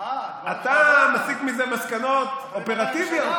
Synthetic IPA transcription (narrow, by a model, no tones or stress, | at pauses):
at̪amasikmizemaskano̞tope̞ʁat̪ivjot